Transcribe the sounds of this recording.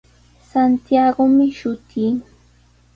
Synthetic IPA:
sant̪jaɢomɪʃʊt̪ʰɪŋ

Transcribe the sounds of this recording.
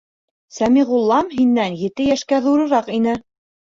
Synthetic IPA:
sæmiʁulˠːɑmɦinːænjɘ̆t̪ɘjæʃkæðuɾɤ̆ɾɑqinɘ

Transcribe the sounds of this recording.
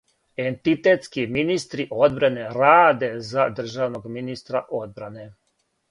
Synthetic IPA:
e̞nt̪it̪et̪skiminist̪ɾiʔo̞d̪bɾane̞ɾaːd̪e̞zad̪r̩ʒaʋnoɡminist̪ɾaʔo̞d̪̚bɾane̞

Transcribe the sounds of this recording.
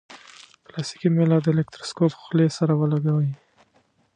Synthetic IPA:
plast̪i̥kimelat̪ːəelekt̪ɾo̥skopxlesaɾawəlaɡawəj

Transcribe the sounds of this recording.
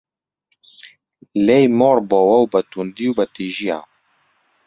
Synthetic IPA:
lɛjmɔɾbɔwɐwbɐt̪und̪iwbɐt̪iʒia̰

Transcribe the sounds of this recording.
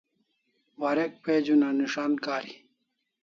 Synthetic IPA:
waɾek̚peːd͡ʑunaniʂaːnkaːɾi

